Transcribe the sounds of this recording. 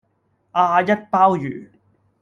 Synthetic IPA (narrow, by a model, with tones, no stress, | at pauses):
aː˧jɐ˦˥t̚paː˥wjyː˨˩